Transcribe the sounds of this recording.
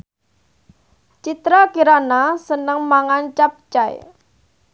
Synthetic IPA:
t͡ʃit̪ɾakiɾanasənəŋmaŋant͡ʃap̚t͡ʃaj̰

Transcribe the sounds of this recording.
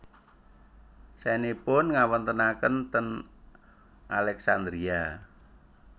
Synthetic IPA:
sɛnipʊnŋawənt̪ənakənt̪ən | ʔalɛksand̪ɾia

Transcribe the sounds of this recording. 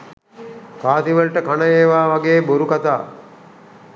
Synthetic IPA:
kaːt̪iʋəlʈəkanəjeːʋaːʋaɡeːbuɾukat̪a̰ː

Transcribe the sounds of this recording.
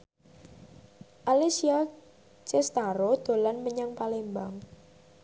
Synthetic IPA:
ʔalisia | t͡ʃest̪aɾod̪̥o̤lanməɲaŋpalembaŋ

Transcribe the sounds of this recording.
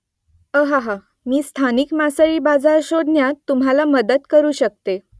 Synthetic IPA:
əɦaɦa | miːst̪ʰanikmasəɭiːbad͡zaɾɕod̪ʱnjat̪ːumɦalaməd̪ət̪kəɾuːɕək̚t̪e

